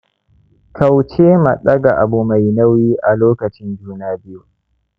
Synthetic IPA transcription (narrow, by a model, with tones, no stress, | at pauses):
kʰa˨wt͡ʃeː˦ma̰˨ɗɐ˦ɡa˨ʔa˨bu˨ma˨jnɐ˦wiː˦ʔa˨loː˦kɐ˨t͡ʃɪ˦nd͡ʒuː˦naː˦bɪ˦ju˨